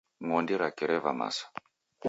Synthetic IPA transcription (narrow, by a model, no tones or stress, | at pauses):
ŋɔndiɾakɛɾɛva̰ma̰sḁ